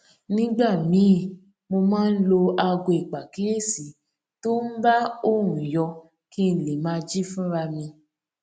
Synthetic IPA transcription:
nĩ˦ɡ͡ba˦˨mĩ˨˦˨ | mo˧mãː˦n̩˦lo˧a˧ɡo˧˨i˨k͡pa˨ki˨˦le˦˨si˨˦ | to˦n̩˦ba˦o˦˨ɾũ˨jɔ˧ | ki˦n̩˨le˨mãː˦˧d͡ʒi˦fũ˦ɾa˧mĩ˧

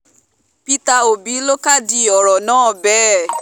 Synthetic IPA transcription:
pi˦ta˧o˨bi˨˦lo˦ka˦˨di˧ɔ˨ɾɔ˨nãː˦˨bɛ˦

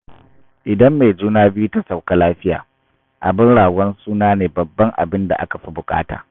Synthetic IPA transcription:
ʔɪ˨dɐ˦mːe˨d͡ʒuː˦naː˦bɪ˦ju˦ta˦sa˨wka˦laː˦ɸɪ˦ja̰ː˨ | ʔa̰˨bɪ˦ŋɽaː˨wɐ˦nsuː˦naː˦neː˨bɐ˨bːɐ˦ŋʔa̰˨bɪ˦nda˨ʔa̰˦ka˨ɸi˦bʊ˨kʼa̰ː˦ta̰ː˨

